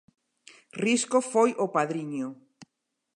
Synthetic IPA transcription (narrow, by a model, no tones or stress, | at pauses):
riskofojʔopaðɾiɲo